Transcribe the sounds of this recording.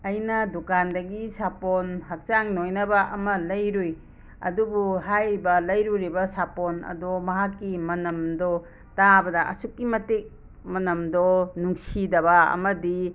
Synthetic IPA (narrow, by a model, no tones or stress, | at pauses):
ɐjnɐdukandɐɡisapɔnhɐk̚t͡ʃaŋnojnɐbɐʔɐmɐlɐjɾuj | ɐ̰dubuɦajbɐlɐjɾuɾibɐsapɔnɐ̰dɔmɐɦakːimɐnɐmdɔ | tabɐdɐʔɐ̰sukːimɐtek̚ | mɐnɐmdɔnuŋsidɐβɐɐ̰mɐdi